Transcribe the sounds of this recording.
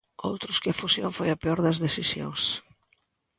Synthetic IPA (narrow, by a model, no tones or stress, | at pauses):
o̰wt̪ɾʊskɪɐfusjo̰ŋfojɐpeɔɾðɐzðesisjo̰ŋs